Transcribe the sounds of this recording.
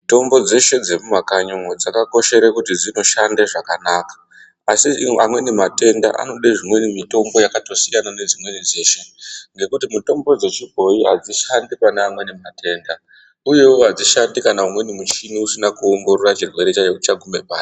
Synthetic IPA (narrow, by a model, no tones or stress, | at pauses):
to̞mbo̞d͡ze̞ʃe̞d͡ze̞mumakaɲoŋod͡zakako̞ʃe̞ɾekutid͡zino̞ʃandeʐakanakḁ | asiamwe̞nimate̞nda̰ʔa̰no̞ɗeʐimwe̞nimito̞mbo̞jakato̞sijanane̞d͡zimwe̞nid͡ze̞ːʃe̞ŋɡe̞kutimuto̞mbo̞d͡ze̞t͡ʃibʱo̞iɦad͡ziʃandipaneamwe̞nemate̞ːnda | uje̞oɦad͡ziʃandikanaumwe̞nimut͡ʃiniusinakuoŋɡo̞ɾorat͡ʃirwe̞ɾe̞t͡ʃajekut͡ʃaɡʱume̞pa̰ːta